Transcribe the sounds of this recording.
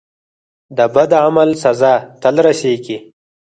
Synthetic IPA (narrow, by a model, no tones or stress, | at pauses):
d̪əbad̪aamalsɐzɑːt̪əlɾaseːɡi